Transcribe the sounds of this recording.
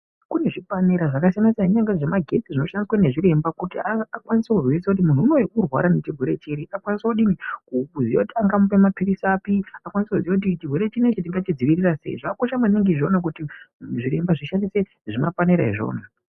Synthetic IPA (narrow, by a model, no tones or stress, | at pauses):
kune̞ʐipaneɾaʐakasijanasaiɲaŋɡaʐemaɡʱe̞t͡siʐino̞ʃandiswane̞ʐiɾe̞mbakutiaakwanisekuriisakut̬imun̤uːno̞jekurwa̰ɾane̞t͡ʃirweɾe̞t͡ʃiɾiʔakwanisaoɗinikuukuzia̰kutiaŋɡamupemapirisapiakwanisekuzijwak̬ut̬it͡ʃirwe̞ɾe̞t͡ʃinet͡ʃet̬iŋɡat͡ʃid͡ziʋirirase̞̰ḭʐakakoʃamaneŋɡiʐonak̬utiʐiɾe̞mbaʐiʃandise̞ | ʐimapaneɾaiʐo̞̰ːna